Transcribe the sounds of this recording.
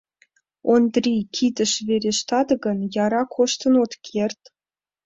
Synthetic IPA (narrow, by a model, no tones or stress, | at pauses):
ond̪rʲikʲʰid̪ə̆ʃvʲeɾʲeʃt̪ɑd̪ɤ̆ɡɤ̆njɑɾɑkʰoʃt̪ɤ̆not̪kʲʰerʲt̪ʲ